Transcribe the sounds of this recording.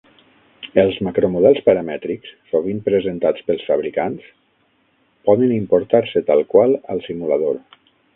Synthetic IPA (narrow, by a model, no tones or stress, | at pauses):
əlˠzmakɾomuðɛlˠspəɾəmɛt̪ɾikssoβ̞impɾəzənt̪at͡spəlˠsfaβɾikans | pɔðənimpoɾt̪aɾsət̪alˠkwalˠəlˠsimulað̞oɾ